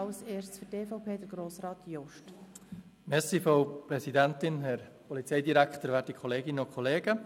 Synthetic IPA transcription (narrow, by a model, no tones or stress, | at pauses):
ɑʊseːɾst͡sfyteːfaʊpʰeːd̥əɡ̥ɾoːsɾɑːt̪ʰjɔʃt | mɛsifɾoʊpɾɛsidæntɪnɦɛɾpʰɔlit͡sɛɪdiɾækχtəɾvæːtikʰɔleːɡɪnənʊkχɔleːɡ̥ə